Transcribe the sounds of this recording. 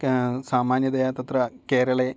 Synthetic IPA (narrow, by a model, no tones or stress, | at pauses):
saːmaːnjɐd̪ɐjaːt̪ɐt̪rɐke̞ːɾɐɭe